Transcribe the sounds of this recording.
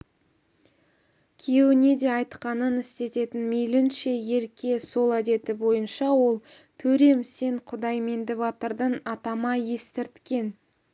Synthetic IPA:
kʲʰeewɪne̞d̪e̞ɑjt̪qɑnənɪst̪e̞t̪e̞t̪ɪnmejlɪnʃe̞je̞ɾkʲe̞so̞lˠæd̪e̞t̪ɪbo̞jənʃɑwo̞lˠ | t̪ʰɵɾe̞mse̞ɴqʰʊd̪ɑjmend̪ɪβɑt̪əɾd̪ənɑt̪ɑmɑje̞st̪ɪɾt̪kʲe̞n

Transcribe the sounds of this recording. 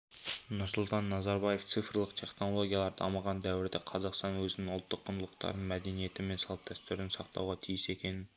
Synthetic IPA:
nʊɾsʊlˠt̪ʰɑnːɑzɑɾbɑje̞ft̪sɨfɾlˠəqt̪ʰe̞χno̞lˠo̞ɡʲijɑlˠɑɾd̪ɑːmɑʁɑnd̪æwɪɾd̪eqʰɑzɑqst̪ɑnwɵzɪnɪŋʊlˠt̪ʰːəqʰːʊnlˠəqt̪ɑ̰ɾd̪əɴmæd̪enije̞t̪ɪme̞nsɑlˠt̪̚d̪æst̪yɾɪnɪsɑqt̪ʰɑ̰wʁɑt̪ʰijɪse̞kʲe̞nɪn

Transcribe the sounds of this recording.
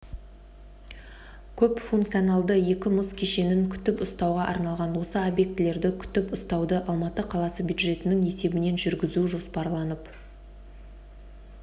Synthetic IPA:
kʲʰɵpfuŋkt̪sijonɑlˠd̪əje̞kʲɪmʊskʲʰe̞ʃe̞nɪŋkʲʰʏ̥t̪ɪpʊst̪ɑwʁɑʔɑ̰ɾnɑlˠʁɑnwo̞səobje̞k̚t̪ɪle̞ɾd̪ɪkʲʰʏ̥t̪ɪpʊst̪ɑwd̪əʔɑlˠmɑt̪əqʰɑlˠɑsəbjud̪ʒe̞t̪ɪnɪŋe̞se̞bɪne̞nʒʏɾɡʲɪzuʒo̞spɑɾlˠɑnəp

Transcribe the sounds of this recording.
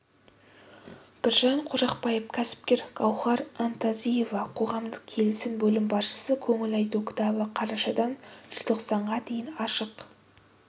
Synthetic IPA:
b̥ɪɾʒɑɴqʰʊʒɑqpɑjəp̚kʲʰæsɪ̥p̚kʲe̞ɾɡ̥ɑwχɑɾant̪azije̞vɑqʰo̞ʁɑmd̪əq̚kʲʰe̞lɪsɪnbɵlɪmbɑsʃə̥səkʲʰɵŋɪlɑjt̪ukʲʰɪ̥t̪ɑbəqʰɑɾɑʃɑd̪ɑnʒ̥ɪzt̪ʰo̞qsɑɴʁɑt̪ʰe̞jɪnɑʃəq

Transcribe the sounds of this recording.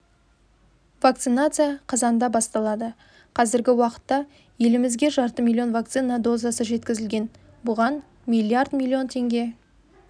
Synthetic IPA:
vak̚t̪sɨnat̪sɨjaqʰɑzɑnd̪ɑbɑst̪ɑlˠɑd̪ə | qʰɑzɪɾɡʲɪwɑqə̥t̪ːɑ | je̞lɪmɪzɡʲe̞ʒɑɾt̪əmʲilʲˠːio̞nvak̚t̪sɨnad̪o̞zasəʒe̞t̪kʲɪzɪlɡʲe̞n | bʊʁɑn | mʲilʲˠiard̪mʲilʲˠːio̞nt̪ʰe̞ŋɡʲe̞

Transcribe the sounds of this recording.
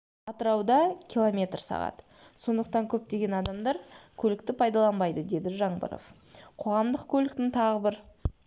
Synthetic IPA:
ɑt̪əɾɑwd̪ɑkʲʰilˠomʲe̞t̪rsɑ̰ʁɑ̰t̪ə | so̞nd̪əq̚t̪ɑŋkʲʰɵp̚t̪e̞ɡʲe̞nɑd̪ɑmd̪ɑɾkʲʰɵlɪk̚t̪ɪpʰɑjd̪ɑlˠɑnbɑjd̪əd̪e̞d̪ɪʒɑɴbə̰ɾo̰fqʰo̞ʁɑmd̪əqkʲʰɵlɪk̚t̪ɪŋt̪ʰɑʁəbɪɾ

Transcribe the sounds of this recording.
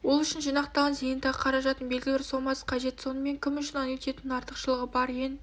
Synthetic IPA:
wolˠʏʃɪnʒijnɑqt̪ɑʁɑnzejənt̪ɑʁəqʰɑɾɑʒɑt̪ənbe̞lɡʲɪlʲɪɾsomɑsqʰɑʒe̞t̪so̞nəme̞ŋkʲʰɪmʏʃɪnɑnet̪e̞t̪ɪnɑɾt̪əqʃəlˠəʁəbɑɾjen

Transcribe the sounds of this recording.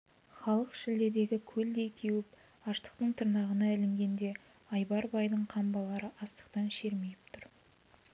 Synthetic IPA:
χɑlˠəqʃɪld̪e̞d̪e̞ɡʲɪkʲʰɵld̪e̞jkʲʰewɪp | ɑʃt̪ə̥qt̪əɴt̪ʰəɾnɑʁənɑælɪŋɡʲe̞nd̪e̞ | ɑjbɑɾbɑjd̪əɴqʰɑmbɑlˠɑɾəʔɑst̪ə̥qt̪ɑnʃe̞ɾme̞jɪp̚t̪ʰʊɾ

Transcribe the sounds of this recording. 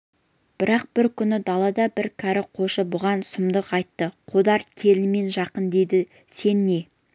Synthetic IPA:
b̥ɪɾɑq̚b̥ɪɾkʲʰʏnɪd̪ɑlˠɑd̪ɑbɪɾkʲʰæɾɪqʰo̞ʃəbʊʁɑnsʊmd̪əqɑjt̪ːəqʰod̪ɑɾkʲʰe̞lɪme̞nʒɑqənd̪e̞jd̪ɪ | se̞nːe̞

